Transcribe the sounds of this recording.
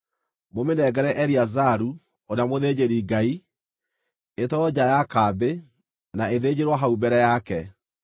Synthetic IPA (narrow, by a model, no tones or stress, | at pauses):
momenɛɡɛɾɛʔɛɾiazaɾu | onamoðed͡ʑeɾiːɡai | etɔɔd͡ʑajakaːbe | naeðed͡ʑeɾwaɦaubɛɾɛjakɛ